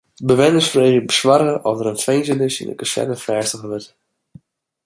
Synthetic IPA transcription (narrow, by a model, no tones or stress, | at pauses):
bəʋɛnəsfreːχjəbəsʋarɣəɔfdəɾənfejnzənɪsḭndə̰kəsɛ̰təfɛːstəɣəʋɪt